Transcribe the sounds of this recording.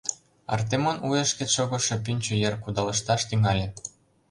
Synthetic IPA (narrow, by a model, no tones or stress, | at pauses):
ɑ̰rt̪̬emonujĕʃkeʃoɣŏʃɤ̆pynʲt͡ɕŏjerkud̪ɑlɤ̆ʃt̪ɑʃt̪yŋɑlʲe